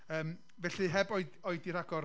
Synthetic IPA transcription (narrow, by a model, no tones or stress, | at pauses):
əːm | vɛɬɨɦɛbɔɨdɔɨdiɾaɡɔr